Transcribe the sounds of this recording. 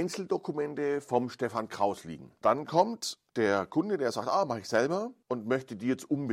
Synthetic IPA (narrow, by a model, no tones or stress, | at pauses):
ɪnt͡sl̩dokumɛntəfɔmʃtɛfankʁ̥aʊslḭːɡŋ̩d̥ankʰɔmtd̥eːɐkʰʊndədeːɐza̰ːk̚tʔaːmaχəɪçz̥ɛlbɐʔʊntmœçtədiːjɛt͡stʔʊmbə